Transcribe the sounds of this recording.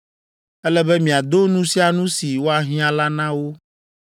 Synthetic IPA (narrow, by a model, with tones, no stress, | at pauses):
ɛ˦lɛ˦bɛ˦mĩ˨a˨d̪o˦nũ˦si˦a˨nũ˦si˨wo˦a˨ɦĩ˦ã˨la˦nã˦wo˦